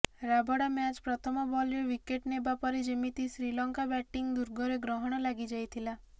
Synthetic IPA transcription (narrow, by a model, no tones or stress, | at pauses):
ɾabʱɔɽamjat͡ʃpɾɔt̪ʰɔmɔbɔlɾeʋikeʈnebapɔɾed͡ʒemit̪isɾilɔŋkabɛʈːiŋɡd̪uɾɡʱɔɾeɡɾɔɦɔɽ̃ɔlaɡid͡ʒajt̪ʰila